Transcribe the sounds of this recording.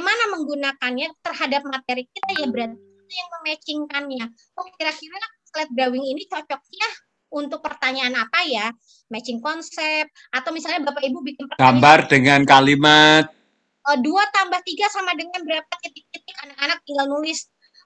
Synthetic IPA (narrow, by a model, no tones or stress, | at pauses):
manaməŋɡunakanjat̪ərhadap̚mat̪eɾik̚it̪ajabəɾat̪iit̪ajaŋməmɛt͡ʃɪŋkanɲa | kɔŋakiɾakiɾɲaslɛt̪̚bɾawɪŋinit͡ʃɔt͡ʃɔk̚ɲa | unt̪ʊk̚pərt̪aɲaːnapaja | mɛt͡ʃɪŋkɔnsɛp̪̚at̪awmisalɲabəɾapaibubikɪnpəɡambardəŋankalimat̪̚ | əduat̪ambaht̪iɡasamadəŋanbəɾapait̪ɪk̚it̪ɪkanakanak̚t̪iŋɡalnulɪs